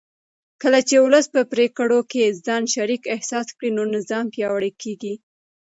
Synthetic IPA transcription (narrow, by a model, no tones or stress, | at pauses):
kəlat͡ʃeʊləspəpɾekəɽokezɑnʃaɾikɪhsɑskɽinonɪzɑmpjɑwəɽəkʰeɡi